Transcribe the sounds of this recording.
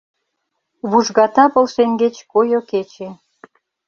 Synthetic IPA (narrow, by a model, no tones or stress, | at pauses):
βuʒɣɑt̪ɑpə̆lʃeŋɡet͡ɕkojoket͡ɕe